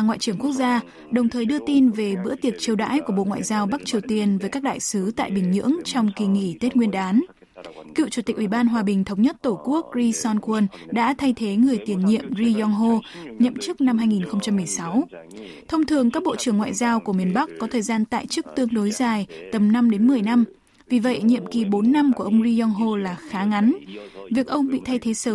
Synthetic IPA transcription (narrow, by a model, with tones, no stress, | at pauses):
a˨˩ŋwa̰˧˨t͡ɕɨ˧˩əŋku˦˥ək̚zaː˧ | ɗə˨˩wŋ͡mt̪ʰəː˨˩jɗɨ˧ət̪i˧nve˨˩ɓɨ̰˧˥t̪i˨˩ək̚t͡ɕi˧əwɗa̰ː˧˥jku˧˩əɓo̰˧˨ŋwa̰ː˧˨jzaː˧wɓa˦˥k̚t͡ɕi˨˩əwt̪i˧ənvəː˨˦jkaː˦˥k̚ɗa̰ː˧˨jsɨ˨˦t̪a̰ː˧˨jɓï˨˩ŋ̟ɲɨ̰˧˥əŋt͡ɕɔ˧wŋ͡mki˨˩ŋi˧˩t̪e˦˥t̚ŋwi˧ənɗaː˨˦n | kḭ˧˨wt͡ɕu˧˩t̪i˨˩k̟ʔwi˧˩ɓaː˧nɦwaː˨˩ɓï˨˩ŋ̟t̪ʰə˨˦wŋ͡mɲə˦˥t̚t̪o˧˩ku˦˥ək̚ɹi˧sɔ˧nkwə˧nɗa̰ː˧˥t̪ʰa˧jt̪ʰe˨˦ŋɨ˨˩əjt̪i˧˩ənɲḭ˧˨əmzi˧zɔ˧ŋɦo˧ɲə̰˧˨mt͡ɕɨ˦˥k̚na˧mɦaː˧jŋi˨˩nxə˧wŋ͡mt͡ɕa˧mːɨ˨˩əjsa˨˦w | t̪ʰə˧wŋ͡mt̪ʰɨ˨˩əŋkaː˦˥k̚ɓo̰˧˨t͡ɕɨ˧˩əŋːwa̰ː˧˨jzaː˧wku˧˩əmi˨˩ənɓa˦˥kkːɔ˨˦t̪ʰəː˨˩jzaː˧nt̪a̰ː˧˨jt͡ɕɨ˦˥ək̚t̪ɨ˧əŋɗo˨˦jzaː˨˩jt̪ə˨˩mna˧mɗe˨˦nmɨ˨˩əjna˧m | vi˨˩və̰˧˨jɲḭ˧˨əmki˨˩ɓo˨˦nːa˧mku˧˩ʔə˧wŋ͡mɹi˧zɔ˧ŋɦo˧laː˨˩xaː˨˦ŋa˨˦nvi˨˩ək̚ʔə˧wŋ͡mɓḭ˧˨t̪ʰa˧jt̪ʰe˨˦səː˧˩˦